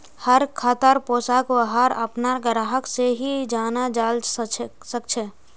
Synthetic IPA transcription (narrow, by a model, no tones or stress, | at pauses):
həɾkʰaːt̪əɾpoːsakwəɦaɾə̰pnaɾɡəɾaɦəkseɦid͡ʒaːnad͡ʒaːld͡ʒ | sək̚t͡ʃʰə